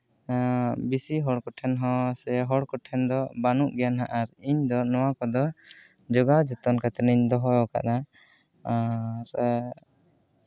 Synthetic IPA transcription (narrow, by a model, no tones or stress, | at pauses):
bisiɦɔɽkɔʈʰɛnɦɔ̃sɛɦɔɽkɔʈʰɛnd̪ɔbanuʔɡɛjanɦaʔaɾiɲd̪ɔnɔwakɔd̪ɔ | d͡ʒɔɡawd͡ʒɔt̪ɔnkat̪ɛniɲd̪ɔɦɔjɔka̰ʔna | aɾ